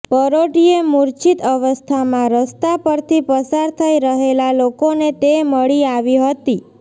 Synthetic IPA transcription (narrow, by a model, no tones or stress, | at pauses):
pəɾoʈiemuɾt͡ʃit̪əʋəst̪ʰamãɾəst̪apəɾt̪ʰipəsaɾt̪ʰəiɾəɦelalokonet̪eməɭiaʋiɦət̪i